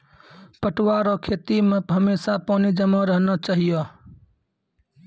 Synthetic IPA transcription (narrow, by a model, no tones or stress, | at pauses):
pəʈwaɾokʰeːt̪imẽɦəmeːsapɔːnid͡ʒəmaɾəɦnɔt͡ʃaɦijo